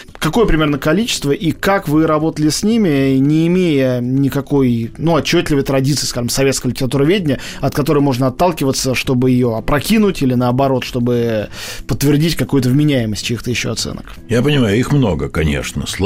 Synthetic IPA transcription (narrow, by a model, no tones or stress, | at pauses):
kɐko̞jəpɾʲɪmʲe̞rnəkɐlʲit͡ɕɪ̥st̪vəʔikakvɨɾɐbo̞t̪əlʲɪsʲnʲimʲɪnʲɪːmʲejənʲɪkɐko̞jnuɐt͡ɕːot̪ʲlʲɪvəjt̪ɾɐdʲit̪sɨiːskaʐəmsɐvʲe̞t̪skəjlʲɪtʲɪɾɐt̪uɾəvʲedʲnʲə | ɐt̪̚kɐt̪o̞ɾəjmo̞ʐnəɐt̪ːalˠkʲɪvət̪səʂt̪o̞bɨjɪjo̞ɐpɾɐkʲinʊtʲilʲɪnəɐbɐɾo̞t̪ʂt̪o̞bɨpət̪ːvʲɪrdʲitʲkɐkujʊt̪əvmʲɪnʲæjɪməsʲtʲt͡ɕʲixt̪əjɪɕːo̰ɐt̪sɛ̰nə̰k | japənʲɪmajʊixmno̰ɡə̰kɐnʲḛʂnə̰sˠ